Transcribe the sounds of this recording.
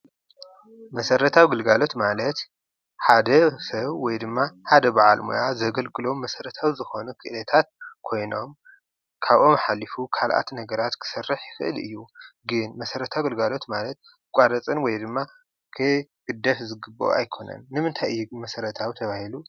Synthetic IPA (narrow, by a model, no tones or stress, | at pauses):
mɐsɐɾɐt̪ʰawiɡɨlɡalo̞t̪malɐt̪ | ħad̪ɐsɐβwɔjd̪ɨmːaħad̪ɐbaʕa̰lmo̰jazɐɡɐlɡʼɨlo̞mːɐsɐɾɐt̪ʰawizɨxo̞nukʰɨʔlɐt̪ʰat̪̚kʰo̞jno̞m | kʰaβʔo̞mħalːifukʰalʔa̰t̪nɐɡɐɾat̪kʰɨ̥sɐrːɨħjɪfɨʔɨ̰lɨ̰jːuɡɨnmɐsɐɾɐt̪ʰawɡɨlɡalo̞t̪malɐt̪̚ | kʷʼaɾɐt͡sʼɨnwɔjd̪ɨmːa | kʰɨɡ̥ɨd̪ːɐfzɨɡɨbːo̰a̰jkʰo̞nɐ̰nːɨmɨnt̪ʰajɨjːumɐsɐɾɐt̪ʰawt̪ʰɐβahilu